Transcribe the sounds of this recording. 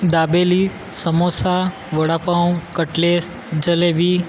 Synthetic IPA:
d̪abeli | səmosa | ʋəɽapãwkəʈles | d͡ʒəlebi

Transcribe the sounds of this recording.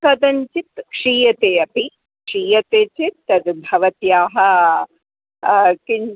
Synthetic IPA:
kɐd̪ɐɲt͡ʃit̪kʂiːjɐt̪eːɐpi | kʂiːjɐt̪eːt͡ʃit̪ːɐd̪bʱɐʋɐt̪jaːɦɐ | kin

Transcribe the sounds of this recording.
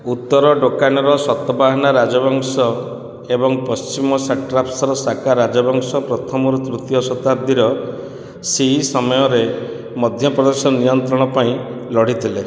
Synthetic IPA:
ut̪ːɔɾɔɖokanɔɾɔsɔt̪ːɔbaɦɔnaɾad͡ʒɔbɔŋsɔ | ebɔŋpɔst͡ʃimɔsaʈɾapsɔɾɔsakaɾːad͡ʒɔbɔŋsɔpɾɔt̪ʰɔmɔɾut̪ɾut̪ijɔsɔt̪ad̪ʱiɾɔ | seɦisɔmɔjɔɾe | mɔd̪ʱjɔpɾɔd̪esɔnijɔnt̪ɾɔɽ̃ɔpaĩlɔɽ̤it̪ʰile

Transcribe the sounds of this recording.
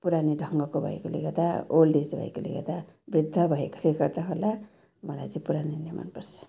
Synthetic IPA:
puɾaniɖʱʌŋɡʌkobʱʌ̰ḛkoleɡʌd̪aolɖisbʱʌ̰ḛkolḛɡʌ̰d̪abrid̪ʱːʌbʱʌeko̥leɡʌrt̪aɦola | mʌla̰jt͡sʌĩpuɾaninima̰npʌrt͡sʰʌ̥

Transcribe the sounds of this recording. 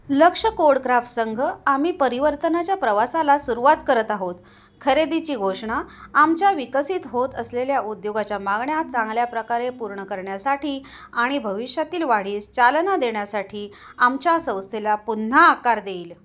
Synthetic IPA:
ləkʂəkoɽkɾafsəŋɡʱəam̤iːpəɾiʋəɾt̪ənat͡ɕjapɾəʋasalasuɾuʋat̪kəɾət̪aɦot̪ | kʰəɾed̪it͡ɕiːɡʱoʂɳaːmt͡ɕjaʋikəsiːt̪ɦot̪əsleljaud̪joɡat͡ɕjamaɡɳjat͡sãŋɡljapɾəkaɾepuɾɳəkəɾɳjasaʈiː | aɽ̃ibʱəʋiʂjat̪iːlʋaɽ̤iːst͡ɕalnad̪eɳjasaʈʰiː | amt͡ɕjasə̃w̃st̪ʰelapun̤ːaːkaɾd̪eːl

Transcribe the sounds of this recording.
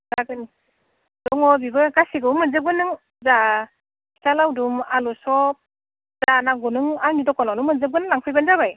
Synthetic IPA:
zaɡɯni | dɔŋɔbibɯkasiɡɯmɯnzɯp̚ɡɯnɯŋ | za | salawdumalusɔp̚ | zanaɡunɯŋanidɔkɔnanɯmɯnzɯp̚ɡɯnɯlaŋpʰɯjbanzabaj

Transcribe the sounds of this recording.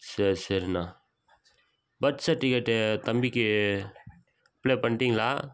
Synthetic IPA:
sɐɾsɐɾnaː | bɐtːsɐʈːikɐʈːt̪ɐmbikːi | pleːpɐɳʈiːŋɡlaː

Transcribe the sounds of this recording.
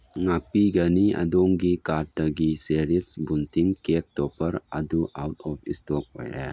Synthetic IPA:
ŋak̚piɡɐniɐ̰doŋɡikat̚dɐɡiseɾisbuntʰiŋkek̚tɔpʰɐɾɐ̰duʔawtʰɔp̚ʰistok̚o̰jḛ

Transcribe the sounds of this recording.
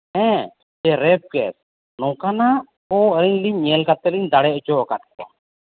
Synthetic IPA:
hɛ̃ | d͡ʒɛɾɛp̚kɛt̚ | nɔ̃kanaʔ | ɔəɾiɲliɲːɛlkat̪ɛliɲd̪aɽɛʔɔd͡ʒɔkaʈ̚k̚ɔ̰

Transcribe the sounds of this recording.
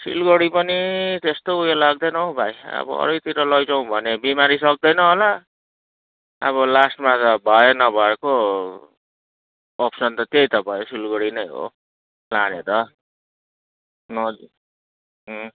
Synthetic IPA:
sḭlɡoɽipʌnit̪est̪oujelaɡ̚d̪ʌnʌɦobʱajʌ̰bʌ̰ʌ̰ɾʌjt̪iɾʌlʌjd͡zʌw̃bʱʌnebimaɾisʌk̚d̪ʌjnʌɦola | ʌ̰βʌlasʈmad͡zʌbʱʌenʌbʱʌeko | pʰsʌnt̪ʌt̪ejt̪ʌbaẽsilɡoɽinʌjɦo̰ | lanet̪ʌ | nʌ | ɦ

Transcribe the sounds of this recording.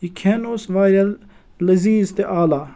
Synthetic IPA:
ikʰeːnoːsʋaːɾʲɐl | lɐziːzt̪eʔaːlaː

